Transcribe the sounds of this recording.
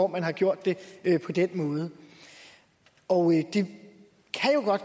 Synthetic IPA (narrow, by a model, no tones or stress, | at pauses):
ɒmænɦɑ̈ɡ̥jo̝ɐ̰d̥ːe̝pʰɒ̽d̥enmɔ̽ːð̞̩ˠə | ɒʊd̥e | kʰæjo̝ɡ̥ɒ̽d̥̚